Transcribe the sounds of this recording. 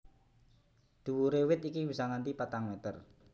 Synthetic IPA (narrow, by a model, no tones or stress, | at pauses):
d̪̥ṳwuɾewɪt̪ikibisɔŋant̪ipat̪aŋmet̪ər